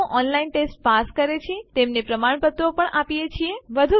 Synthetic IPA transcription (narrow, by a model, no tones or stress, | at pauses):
ʔɔnlainʈesʈ̚paskəɾet͡ʃʰiet̪emnepɾəmaɳpət̪opəɳapijet͡ʃʰieʋəd̪ʱu